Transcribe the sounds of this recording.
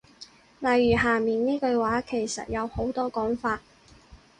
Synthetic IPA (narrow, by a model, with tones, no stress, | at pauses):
lɐ˨jːyː˨˩ɦaː˨˩miː˨˩nniː˥kɵ˧ɥwaː˨˥kʰe˨˩jsɐ̰˨t̚jɐ˨˧who˨˥wt̪ɔː˥kɔː˨˥ŋfaː˧t̚